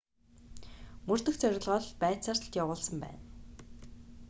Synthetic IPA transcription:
mɵr̥t̪ɵ̆xt͡sœɾʲɪ̆ɮʁɔːɮpæːt͡saːr̥t̆ɬt̪jawʊːɮsə̆mpæ̰ːn

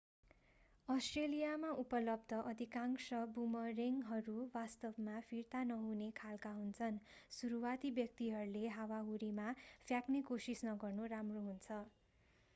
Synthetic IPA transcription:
ʌsʈrelijamaupʌlʌb̚d̪ʱʌʔʌd̪ʱikaŋsʌbumʌreŋɦʌɾuwast̪ʌbmapʰirt̪anʌɦunekʰalkaɦunt͡sʰʌnsuɾuwat̪ibjʌk̚t̪iɦʌɾuleɦawaɦuɾimapʰjaknekosisnʌɡʌrnuramroɦunt͡sʰʌ

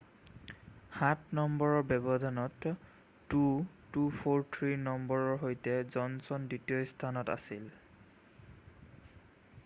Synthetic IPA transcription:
hatnɔmbɔɹɔɹbɛbɔdʱanɔtː | u | tupʰoɹt̪ʰɹinɔmbɔɹɔɹɦojtɛzɔnsɔnditijɔstʰanɔta̰sil

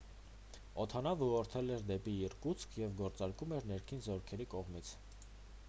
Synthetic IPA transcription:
ɔt̪ʰɑnɑvəɔɾt̪ʰɛlɛɾd̪ɛpiəɾkut͡sʰkʰjɛvɡɔɾt͡sɑɾkumɛɾnɛɾkʰinzɔɾkʰɛɾikɔʁmit͡sʰ

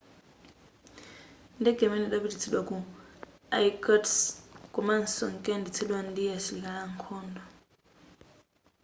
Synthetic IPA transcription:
ndɛɡɛmɛnɛɗaβidit͡sʰilwaku | ajkʼɔtskʼuman̩sɔ̰ŋ̩kʼɛndit͡sʰilwandijasilikaɺaŋkʰɔːndɔ

